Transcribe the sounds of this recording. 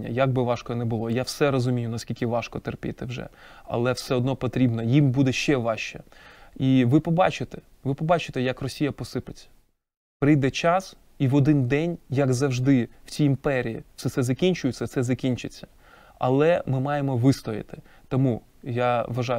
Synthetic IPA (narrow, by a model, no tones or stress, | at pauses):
ɐ̰jaɡ̚bɪʋɑʃkɔɔnɛbʊlˠɔjawsɛɾɔzʊmʲijʊnɐskʲilʲkʲɪʋɑʃkɔt̪erpʲɪ̰t̪ɪwʒɛ̰ɐ̰lˠɛwsɛɔd̪nɔpɔt̪ɾʲibnɔjimbud̪ɛʃt͡ʃɛʋɑʃt͡ʃɛiʋɪpɔbɑt͡ʃɪt̪ɛ | ʋɪpɔbɑt͡ʃɪ̥t̪ɛjɐkrɔsʲijɐpɔsɪpɪt͡sʲːɐ̥ | pɾɪjd̪ɛt͡ʃɑs | iʋɔd̪ɪnd̪ɛnʲjɐɡzɐwʒd̪ɪw̥t͡sʲiimpɛɾʲijḭt͡ssɛt̪sɛzɐkʲinʲt͡ʃʊjʊt͡sʲːɐsɛzɐkʲinʲt͡ʃɪt͡sʲːɐ̥ | ɐ̰lˠɛmɪmɑjemɔʋɪst̪ɔjɪ̰t̪ɪ̥t̪ɔmu | jaʋɐʒɑj